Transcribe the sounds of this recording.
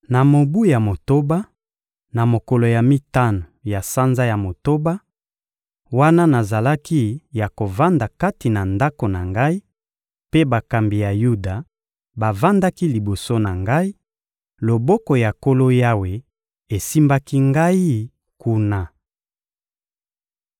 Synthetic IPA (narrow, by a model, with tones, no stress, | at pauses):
na˨mo˨bu˦ja˨mo˨to˦ba˦ | na˨mo˨ko˨lo˨ja˨mi˦ta˦no˨ja˨sa˦nza˦ja˨mo˨to˦ba˦ | wa˦na˦na˨za˨la˦ki˦ja˨ko˨va˦nda˨ka˦ti˨na˨nda˦ko˨na˨ŋɡa˦i˦ | pe˦ba˨ka˨mbi˨ja˨ju˦da˨ | ba˨va˦nda˦ki˦li˨bo˨so˦na˨ŋɡa˦i˦ | lo˨bo˦ko˨ja˨ko˦lo˦ja˦we˨ | e˨si˦mba˦ki˦ŋɡa˦i˦ | ku˦na˦